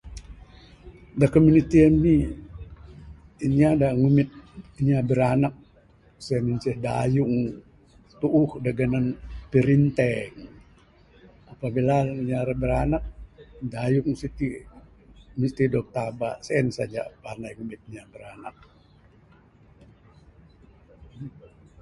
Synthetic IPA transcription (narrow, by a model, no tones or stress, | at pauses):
dakomunit̪iami | ɲadaŋumɪt̪̚ɲabəɾanak̚ | sɛninsihda̰juŋ | t̪uʔuhdaɡananpiɾint̪ɛŋ | apabilaɲaɾəbəɾanak̚dajuŋsiht̪i | mist̪idɔk̚t̪aba̰sɛɛnsad͡ʒa̰panajŋumɪt̪̚ɲabəɾana̰k̚